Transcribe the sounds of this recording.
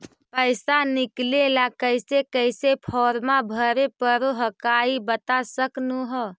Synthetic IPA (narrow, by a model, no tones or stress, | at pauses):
pəɪsanɪklelakəɪsekəɪsepʰɔːɾmabʱəɾepəɾoɦəkaibət̪asəknuɦə